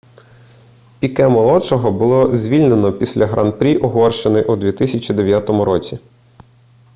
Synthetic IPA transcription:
pʲikɛmɔlˠɔt͡ʃɔɦɔbʊlˠɔzʲʋʲilʲne̞nɔpʲisʲlʲɐɦɾʔɐnpɾʲiʔɔɦɔrʃenɪjʔud̪ʋʲit̪ɪsʲɐt͡ʃʲid̪eʋʲjat̪ɔmʊɾɔt͡sʲi

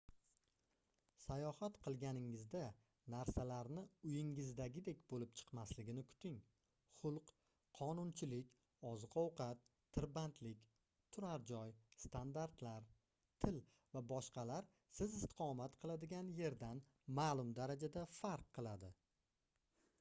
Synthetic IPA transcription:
sajɒhat̪qʰɨlˠɡʲanɪŋɪzd̪a | naɾsalaɾnɪʊjɪŋɪzd̪aɡʲɪd̪e̞kʲbolɪp̚t͡ʃʰɨ̥qmaslɪɡʲɪnɪkʰʊ̥t̪ɪŋ | χʊlˠqʰ | ɒnʊnt͡ʃʰɪlɪkʲ | ɒzqʰɒwqʰɑt̪ʰːɪɾbant̪ʰlɪkʲ | t̪ʰʊɾaɾd͡ʒɒjst̪ʰand̪aɾt̪laɾ | t̪ʰɪl | vabɒʃqɑlaɾ | sɪzɪst̪ɪ̥qʰɒmat̪qʰɨlˠad̪ɪɡʲanje̞ɾd̪an | maːlˠʊmd̪aɾad͡ʒad̪afaɾqʰːɨlˠad̪ɪ

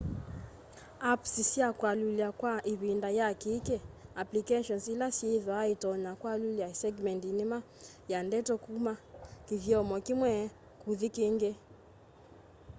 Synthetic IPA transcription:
apsisiakwaluliakwaʔiβindajakikɛaplikɛʃɔnsilasjeðɔaitɔɲakwaluliasɛɡmɛntinima | jandɛtɔkumakivjɔmɔkimwɛ | kuðikeŋɡe

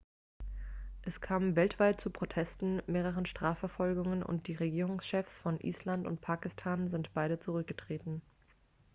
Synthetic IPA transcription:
ʔɛskʰaːmənvɛltv̥aɪt̚t͡supʁ̥otʰɛstn̩meːʁəʁənʃtʁ̥aːfɛɐfɔlɡʊŋənʊ̰nt̚d̥iːʁeɡiːʁ̞ʊŋsʃɛfsfɔnʔḭːslantʊ̰ntpʰaːkɪstʰaːnzɪntb̥aɪɾət͡suʁʏk̚ɡ̥ətʁ̥eːtn̩

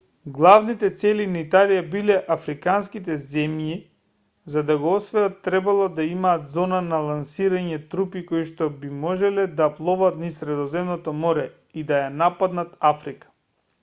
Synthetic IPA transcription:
ɡlˠavnit̪ɛt̪sɛlinait̪alijabilɛʔafɾikanskit̪̬ɛzɛmji | zad̪aɡoɔsvɛjat̪ːɾɛbalˠɔd̪aimaːt̪zɔnanalˠansiɾaɲɛt̪ɾupikoiʃt̪ɔbimɔʒɛlɛd̪aplˠɔvat̪nisɾɛd̪ɔzɛmnɔt̪ɔmɔɾɛ | id̪ajanapad̪nat̪afɾikḁ

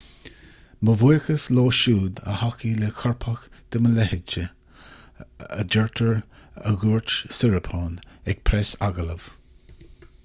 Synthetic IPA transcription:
məvuːɹkəsloːʃuːd̪ə̰hakilɛkʰɔɹpʰəxd̪̥əməlɛhɪt͡ʃə | əd͡ʒɛɹt̪ʰəɹəɡuːɹt͡ʃsɪɹəpʰoːnɛɡ̚pʰɾɛsaɡələv̥

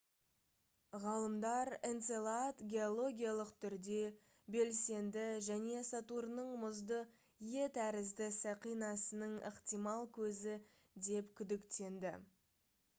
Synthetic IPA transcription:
ʁɑlˠəmd̪ɑɾent̪selˠat̪ɡʲe̞olˠo̞ɡʲijalˠəqt̪ʰʏɾd̪e̞ | be̞lse̞nd̪ɪʒæne̞sɑt̪uɾnəɴmʊzd̪ə | je̞t̪ʰæɾɪzd̪ɪsæqijnɑsənəɴəqt̪ijmɑlˠkʲʰɵzɪ | d̪e̞pkʲʰʏd̪ɪkt̪e̞nd̪ɪ

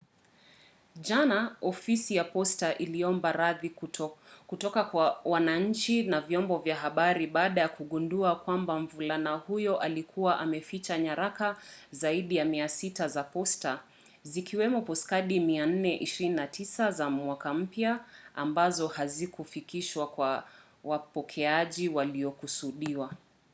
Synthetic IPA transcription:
ʄanaɔfisijapɔstaʔiliɔmbaɾaði | kutɔkawawanaɲ̩t͡ʃinavjɔmbɔvjaɦaɓaɾiɓaːɗajakuɠunduakwambaɱ̩vulanahujɔʔalikʰuwaʔamɛfit͡ʃaɲaɾakazaiɗijamiasitazapɔsta | zikiwɛmɔpɔskaɗimian̩nɛʔiʃiɾininatʰisazamwakam̩pjaambazɔhazikufikiʃwakwa | wapɔkʰɛaʄiwaliɔkusuɗiwa

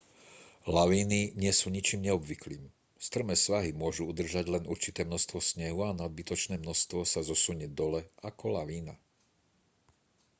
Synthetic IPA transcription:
laʋiːniɲɪɛsuːɲit͡ʃiːmɲɛɔbʋiklḭːm | st̪r̩mɛːsʋaɦimʊɔʒuud̪r̩ʒaɟlɛnuɾt͡ʃit̪ɛːmnɔst̪ʋɔsɲɛɦuanad̪̚bit̪ɔt͡ʃnɛːmnɔst̪ʋɔsazɔsuɲɛd̪ɔlɛakɔlaʋiːna

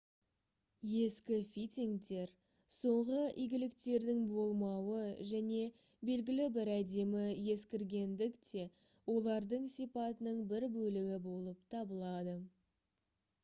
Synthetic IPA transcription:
je̞skʲɪfijt̪ʲiŋt̪e̞ɾ | so̞ɴʁəijɡʲɪlɪk̚t̪e̞ɾd̪ɪŋbo̞lˠmɑwəʒæne̞ | be̞lɡʲɪlɪbɪɾæd̪e̞mɪje̞skʲɪɾɡʲe̞nd̪ɪkt̪ʰe̞ | wo̞lˠɑɾd̪əɴsipɑt̪ənəɴbɪɾbɵlɪɡʲɪbo̞lˠəp̚t̪ʰɑbəlˠɑd̪ə

